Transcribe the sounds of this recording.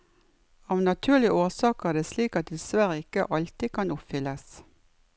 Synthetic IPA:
ɑːʋnɑt̪ʰʉːlɪʔoːsɑːkæːd̪eːsliːkɑt̪̚d̪ɪsʋæʁəɪkə̰ʔɑlt̪iːkʰɑnʊpfʏləs

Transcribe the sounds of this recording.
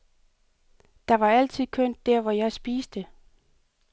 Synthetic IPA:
d̥ɑ̈ʋɑ̈æl̰t͡sʰið̰ˠkʰøn̰d̥ːæɐʋɒjɑ̈ɪsb̥iːsd̥ə

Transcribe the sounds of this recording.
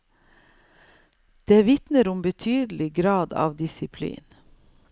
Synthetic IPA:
d̪̥eːʋɪt̪nəɾʊmbət̪ʰyːd̪lɪɡɾɑːd̪ɑ̰ːʋd̪ɪsɪpʰlḭːn

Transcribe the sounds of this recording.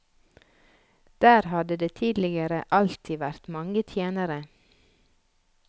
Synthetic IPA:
d̪̥æːɾhɑd̪əd̪eːt̪ʰiːd̪lɪɡəɾəʔɑlt̪ʰɪʋæɾt̪mɑŋət̪ʰjeːnəɾə

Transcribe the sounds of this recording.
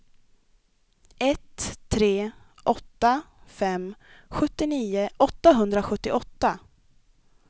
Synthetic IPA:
ʔɛt̪ʰːɾeː | ʔɔt̪ːa | fɛmɧɵt̪ːɪniːʊʔɔt̪ːaɦɵnd̪ɾaɧɵt̪ːɪʔɔt̪ːa

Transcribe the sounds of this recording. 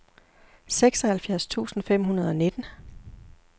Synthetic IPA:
seɡ̥sɒ̽hælfjæɐ̰st͡sʰṵːsn̩fem̰ɦunɐð̞ˠɒ̽ne̝d̥n̩

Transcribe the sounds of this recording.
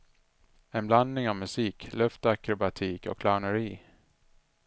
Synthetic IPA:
ɛnbland̪nɪŋavmɵsiːklœft̪akɾɔbat̪ʰiːkɔ̰kʰːlaʊɳəɾiː

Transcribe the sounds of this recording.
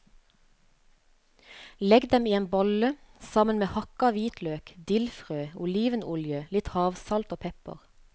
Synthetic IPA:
lɛɡd̪ɛmiːeːnbɔləsɑmənmeːhɑkɑʋiːt̪løːkd̪ɪlfʁøːʊliːʋənʔʊljəlɪt̪hɑːʋsɑlt̪oːpʰɛpə̰ʁ

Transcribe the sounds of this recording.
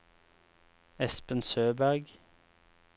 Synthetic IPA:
ɛspənsøːbæʁɡ

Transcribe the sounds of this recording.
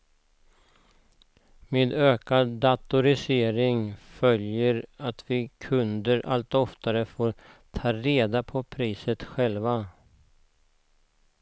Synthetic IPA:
meːd̪øːkad̪ːat̪ʊɾɪseːɾɪŋfœljəɾat̪vɪkʰɵnd̪əɾʔa̰lt̪ɔft̪aɾəfoːɾt̪ʰɑːɾeːd̪apʰɔpʰɾiːsət̪ɧɛlva

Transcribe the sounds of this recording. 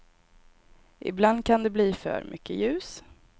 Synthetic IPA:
ʔɪ̰bland̪̚kʰand̪ɛbliːfœ̰ːɾmʔʏkʰːəjʉ̟ːs

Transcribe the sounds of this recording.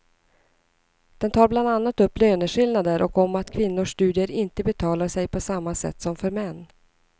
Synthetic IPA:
d̪̥ɛnt̪ʰɑːɾbland̪anːat̪ɵpːløːnəɧɪlnad̪əɾʔɔkɔmat̪kʰvɪnːʊʂt̪ʉ̟ːd̪ɪəɾɪnt̪əbɛt̪ʰɑːlaʂɛjpʰɔsamːasɛ̰t̪ːsɔmfœɾmɛnː

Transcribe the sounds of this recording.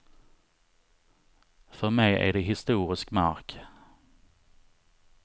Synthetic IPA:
fœɾmɛjæ̰ɖɛɦɪst̪uːɾɪskmaɾk

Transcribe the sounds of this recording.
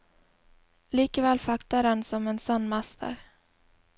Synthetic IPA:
liːkəvɛːlfakt̪aɾɛnsɔmɛnsanːmast̪ʰə̰ɾ

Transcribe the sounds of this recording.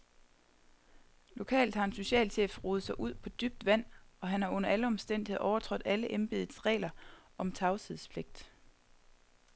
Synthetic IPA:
lo̝kʰɛ̰ːld̥hɑ̈e̝nso̝ɕɛ̰ːlɕefʁuːð̞ˠəsɑ̈ɪʔuð̰ˠpʰɒ̽d̥yb̥̚d̥ʋæn̰ɒ̽ɦænhɑ̈ɔ̽n̰ɐʔæləɒ̽msd̥en̰dihe̝̰ɒʊɐt͡sʰʁɔ̽d̥ˠæləʔenb̥e̝ðˠð̩ˠsʁɛ̰ːlɐʔɒ̽mt͡sʰɑ̈ʊt͡sʰið̰ˠspʰle̝ɡ̥̚d̥

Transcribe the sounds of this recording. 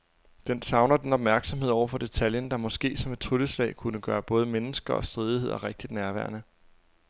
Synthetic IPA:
d̥ensɑ̈ʊnɐd̥enɒ̽b̥̚mæɐɡ̥sɒ̽mɦe̝ð̞̰ˠɒʊ̰ɐfɒ̽d̥e̝t͡sʰæljənd̥ɑ̈mɒ̽sɡ̥e̝̰ːsɒ̽me̝d̥̚t͡sʰʁuləslɛ̰ɪkʰunəɡ̥ɶːɐb̥ɔ̽ːð̞ˠəmenəsɡ̥ɐɒ̽sd̥ʁiːð̞ˠie̝ð̞̰ˠɒʁeɡ̥̚d̥id̥næɐʋæɐnə

